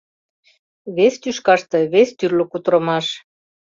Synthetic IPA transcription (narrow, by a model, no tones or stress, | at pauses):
βest̪yʃkɑʃt̪ɤ̆βest̪yrlŏkut̪ɾɤ̆mɑʃ